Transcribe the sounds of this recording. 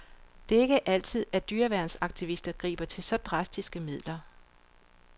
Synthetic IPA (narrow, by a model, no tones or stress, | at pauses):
d̥e̝e̝ɡ̥əʔæl̰t͡sʰið̞̰ˠæd̥yːɐʋæɐnsɑ̈ɡ̥̚t͡sʰiʋisd̥ɐɡ̥ʁḭːb̥ɐt͡sʰe̝lsɒ̽d̥ʁɑ̈sd̥isɡ̥əmið̞̰ˠlɐ